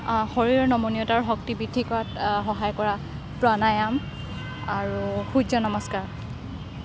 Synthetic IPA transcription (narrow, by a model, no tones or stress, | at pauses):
hɔɹiɹɔnɔmonijɔtaɹɦɔk̚tibidʱikɔatxɔɦajkɔɹa | pɹanajam | aɹuxud͡ʒɔnɔmɔskaɹ